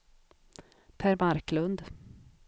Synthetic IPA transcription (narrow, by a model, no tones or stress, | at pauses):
pʰæɾmaɾklɵnd̪